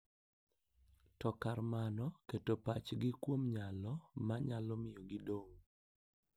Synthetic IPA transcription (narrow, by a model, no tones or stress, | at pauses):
tɔkaɾmanɔketopat͡ʃɡɪkwomɲalɔmaɲalɔmɪjɔɡɪdoŋ